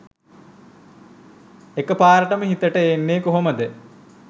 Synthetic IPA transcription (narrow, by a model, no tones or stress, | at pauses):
ekəpaːɾəʈəməɦit̪əʈəeːnːeːkoɦoməd̪ə